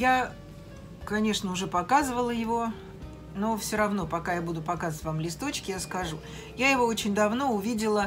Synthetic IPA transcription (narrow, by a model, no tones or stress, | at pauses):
ja | kɐnʲe̞ʂnəʊʐɛpɐkazɨvəlˠəjɪvo | no̞fsʲoɾɐvno̞pɐkajabud̪ʊpɐkazətʲvamlʲɪst̪o̞t͡ɕkʲɪjaskɐʐu | jajɪvo̞ot͡ɕɪnʲd̪ɐvno̞ʊvʲidʲɪlˠə